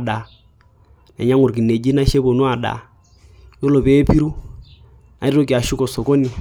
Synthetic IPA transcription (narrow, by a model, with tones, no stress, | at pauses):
ɗa˨ | nɛ̰˨ɲa˦ŋu˨ɾk̬i˨nɛ˨d͡ʒi˦na˦ʃɛ˦βɔ˨nu˦a˨ɗa̰˨ | jɔ˦lɔ˨pɛ˦pi˦ɾu˦ | na˨i˦ɾɔ˦k̬i˨a˨ʃu˦kɔ˨sɔ˨kɔ˦ni˨